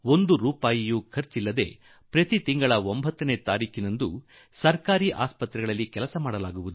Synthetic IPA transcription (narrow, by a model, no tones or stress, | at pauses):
ond̪uɾuːpaːjijukʰɐɾt͡ʃilːɐd̪e̞̰ː | pɾɐt̪it̪iŋɡɐɭɐombʱɐt̪ːɐne̞ːt̪aːɾiːkʰinɐnd̪u | sɐɾkaːɾiʔa̰ːspɐt̪ɾɛɡɐɭɐlːikɛlɐsɐmaːɽɐlaːɡuʋud̪u